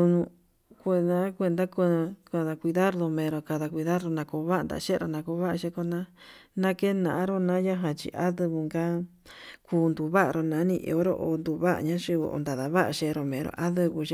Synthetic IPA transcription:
u˧nũ˧ | kʷe˧nã˦kʷe˧nd̪a˦ko˧ka˧ða˧kʷi˧ða˦ɾɾo˧mẽ˧ɾo˧ka˧ða˧kʷi˧ða˦ɾo˧nã˧ko˧˦βa˦˧nd̪a̰˨˧ʃe˦˧ɾo˧nã˧ko˧˦βa˦ʔa˧ʃe˧ko˧nã˦nã˦ke˦nã̰˨ʔã˦ɾo˦nã˦ja˦ɦã˧t͡ʃḭ˧˨ʔa˦ðɨ˧βɨ˧ŋɡa˦ | kʰuː˧nd̪u˨βa˦ʔa̰˧ɾo˧nã˨˦nĩ˧ʔḛ˧˨o˦ɾo̰˧ʔo˧nd̪u˧βa˦ʔa̰˧ɲã˦ʃi˧o̰˧nd̪a˨ða˨βa˦ʔa˧ʃe˧ɾo˧mẽ˨ɾo̰˨˧ʔa˦ðɨ˧βu˧ʃe˦

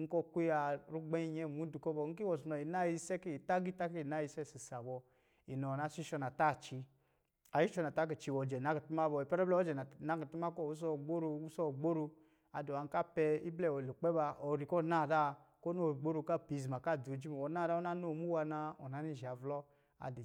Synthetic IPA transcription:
ŋ̩˦kɔ˦˨kʷi˦a˧ɾu˦ɡ͡be˦i˦˧ɲɛ˦˨mu˨˦du˨kɔ˦bɔ˧˨ŋ̩˦ki˦wɔ˨su˨nɔ˨i˨na˦ji˦˧˦sɛ˦ke˦i˨ta˦ɡi˦ta˦ke˦i˨na˦i˧sɛ˦˨si˨sa˨bɔ˧ | i˨nɔ˨a˨˦˨si˦ʃɔ˧na˨ta˦˨t͡ʃi˧ | a˨ji˦ʃɔ˧na˨ta˦k̬e˨t͡ʃi˨˧˨wɔ˨d͡ʒɛ˨na˨˦ki˨tu˦ma˦bɔ˧˨i˨pɛ˦ɾɛ˦blɛ˦ɔ˦d͡ʒɛ˨na˨na˨˦ki˨tu˦ma˦kɔ˦˨wu˦s̬ɔ˦˨ɡ͡bo˦ɾo˧u˦sɔ˦˨ɡ͡bo˦ɾo˧ | a˨do˨a˨ŋ˦ka˦pɛ˧i˦blɛ˦˨wɔ˨lo˨k͡pɛ˦ba˧ɔ˨ɾi˨kɔ˦˨na˦˨da˦˨ko˦o˦˨ɡ͡bo˦ɾo˧˦ka˦˨pi˨zi˨ma˨ka˦˨do˨d͡ʒi˦m˨wɔ˨˦na˦˨da˦o˦na˦no˦˨mu˦wa˧na˧ɔ˨na˨˦ni˦˨ʒa˨vlɔ˦ | a̰˨de˨

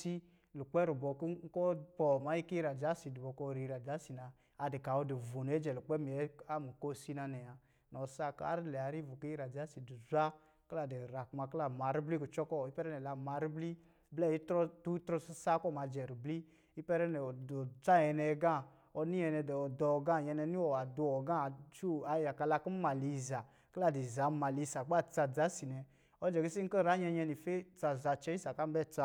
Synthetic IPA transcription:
si˦ | lu˨k͡pɛ˦ɾu˨bɔ˨k̩˦kɔ˦pɔ˨ma˨˦ji˦ki˦ɾa˨d͡ʒa˨˦si˨du˨bɔ˧˨kɔ˧ɾi˧˨˧ɾa˨d͡ʒa˨˦si˨naː˧ | de˨ka˨ɔ˧de˨vo˨n˨ɛ˨˦d͡ʒɛ˨lu˨k͡pɛ˦m˨ɛ˦a˦mu˨ko˦˨si˦na˧nɛ˨a˨ | nɔ˨sa˦ka̰˦ɾi˦lɛ˨a˨˦ɾi˦vu˨ki˦i˦ɾa˨d͡ʒa˨˦si˨du˨zʷa˦ | kla˨˧˨dɛ˨ɾa˨kma˧kla˧˨ma˨˦ɾi˦bli˦ku˨t͡ʃɔ˦kɔ˦˨i˦pɛ˦ɾɛ˦nɛ˨la˨ma˨˦ɾi˦bli˦ | blɛ˦˨i˦tɾɔ˦tu˦tɾɔ˧si˧˦sa˦kɔ˦˨ma˨˧d͡ʒɛ˨ɾi˨bli˦ | i˦pɛ˦ɾɛ˦nɛ˨ɔ˨ɔ˨t͡sa˦˨ɛ˧nɛ˧ɡã˦˨ | ɔ˧ni˦ɛ˧nɛ˧dɛ˨ɔ˨dɔ˨˧˨ɡã˦˨ɲɛ˧nɛ˧ni˦ɔ˨wa˨du˧ɔ˨ɡã˦˨t͡ʃu˦a˨˧ja˨ka˧la˧ku˦ma˨li˨˧˨za˨ | kla˧di˨za˨˦ma˨li˨˧˨sa˨k͡pa˦˨t͡sa˧d͡za˨˦si˨nɛ˧ | ɔ˧˦d͡ʒɛ˨ɡi˦si˦ŋ̩˦kə˦˨ɾa˨˦ɲɛ˧ɲɛ˧ni˨fe˦t͡sa˧za˧t͡ʃɛ˧˦i˦sa˨ka˦m˦bɛ˦˨t͡sa˧

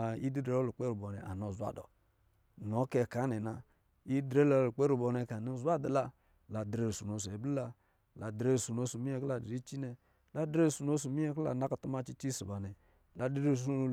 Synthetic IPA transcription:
i˦di˦de˨˦o˦lu˨k͡pe˦ɾu˨bo˨nɛ̰˨ʔa̰˨n˨o˨zʷa̰˨dɔ̰˨ | n˨o˨˦ke˨ka˨˦ne˨na˨ | i˦dɾe˦lo˦lu˨k͡pe˦ɾu˨bo˨ne˨ka˨nu˦˨zʷa˦da˨la˦ | la˨dɾe˦˨su˨no˨se˨bli˦la˦ | la˨de˦˨su˨no˦su˨mi˦e˦˨kla˨dɾi˦t͡ʃi˦ne˨ | la˦dɾe˦˨su˨no˦s̬u˨mi˦e˦kla̰˨na˦ka˨tu˦ma˦t͡ʃi˦t͡ʃi˦si˨ba˨nɛ˨ | la˨di˦ɾe˦˨s̬no˦

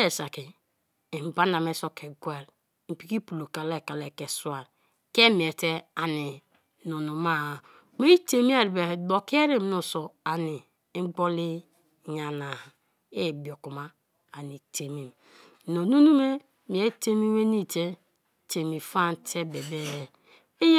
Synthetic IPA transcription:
e˨sa˨ki˨ | m˨ba˦na˨me˦so˦ke˨ɡwe˨ɾ | m̩˨pi˨ki˦pu˨lo˨ka˨le˦˨ka˨le˨ke˨su˦a˨ɾ | ke˦m˨e˨te˦a˨ni˨ | no˨nu˨ma˦˨ | me˦i˦te˨mi˦a˦˨ɾi˨be˨do˨ki˦e˦ɾe˦m˦nu˨so˨a˨ni˨˦ | ɡ͡bo˦li˦˨ | ɲa˨na˨ | e˦˨bi˨o˨ku˨ma˦ | a˨ni˨te˨mi˨m˨ | no˨˦nu˦nu˦me˦ | mi˨e˦te˦mi˦we˦ni˦˨te˦ | te˨mi˨fa˦n˨˦tʰe˦be˨be˦˨ | e˦j

